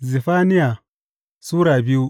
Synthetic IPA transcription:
zi˨fa˦ni˦ja˨ | su˦ɾa˨bi˦u˦

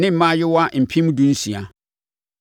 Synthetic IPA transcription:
nɪ̃˦m̩˨mã˦jɪ˦wa˦m̩˨pʰĩ˦mũ˦dũ˦n̩˦sĩ˨a˨

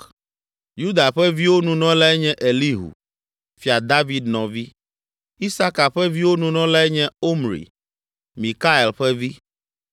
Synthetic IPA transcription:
ju˦d̪a˨ɸɛ˦vi˦wo˦nũ˨nɔ̃˦la˦ɛ˦ɲɛ̃˦ʔe˨li˦ɦṵ˨ | fi˨a˨d̪a˦vi˨d̪nɔ̃˨vi˦ | i˦sa˦ka˨ɸɛ˦vi˦wo˦nũ˨nɔ̃˦la˦ɛ˦ɲɛ̃˦o˦mɾḭ˨ | mĩ˨ka˦e˨lɸɛ˦vi˦

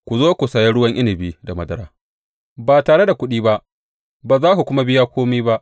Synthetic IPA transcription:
kʷu˨zoː˦kʷu˨saː˨jɛ˦ɽʊ˦wɐ˦ŋʔɪ˦nɪ˨biː˦da˨mɐ˦dɐ˦ɾa̰ː˦ | baː˨taː˨ɽe˦da˨kʷʊ˦ɗiː˦ba˦ʔ | baː˨zaː˦ku˨kʷʊ˦ma˦bɪ˦jaː˦kʷoː˦miː˦ba˦ʔ

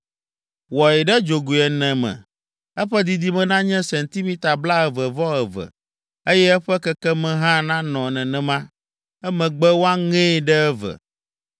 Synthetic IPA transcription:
wɔ˨ɛ˨ɖɛ˦d͡ʒo˨ɡu˨ɛ˨nɛ̃˨mɛ̰̃˨ | ɛ˦ɸɛ˦d̪i˨d̪i˦mɛ̃˨nã˦ɲɛ̃˦sɛ˨nt̪i˦mĩ˦t̪a˨bla˦ɛ˨vɛ˨vɔ˦ɛ˨vɛ̰˨ | e˦jɛ˦ɛ˦ɸɛ˦kɛ˦kɛ˦mɛ̃˦ɦã˦nã˦nɔ̃˨nɛ̃˨nɛ̃˨mã˦ | ɛ˦mɛ̃˨ɡ͡bɛ˦wo˦a˦ŋɛ̃˦˨ɖɛ˦ɛ˦vɛ̰˨

